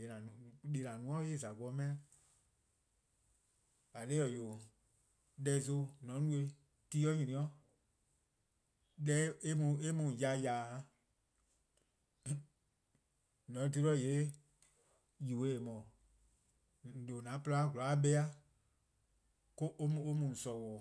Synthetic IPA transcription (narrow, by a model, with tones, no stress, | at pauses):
e˨nã˨ɗe˧˨nã˨nũ˧˦ɔ̃˦e˦˨za˨ɡ͡bɔ˧˦mɛ̃˦a˦ | a˨leː˦ɔ˨jo˨ | lɛ˧˦˨zo˧˦nɔ̃˨˦nũ˦e˧˦ | tiː˦ɔ˦ɲĩ˧nĩ˨˦ɔ̃˦ | ɗɛ˧˦e˦mũ˧e˦mũ˧˨ja˨jaː˨˦ | nɔ̃˨˦t̬e˧˦lɔ˦˨e˨˦ | ji˨we˨˦e˨mɔ̃˨ | lo˨nã˨˦pɨ˧la˦ɡʷu˨la˨˦ɓɛ˧˦a˦ | ko˦ʔm˨o˦mũ˨sɔ˨wɔː˨